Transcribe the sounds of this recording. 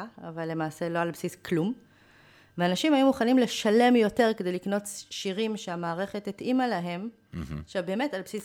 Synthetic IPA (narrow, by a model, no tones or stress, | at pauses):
avalːe̞maːse̞lo̞albsisklum | veanaʃimhajumuχanimle̞ʃale̞mjo̞te̞ʁ̞kedejlikno̞tʃiʁimʃeamaːʁe̞χetːitʔimalaɦe̞m | ʃebe̞ːme̞talbsis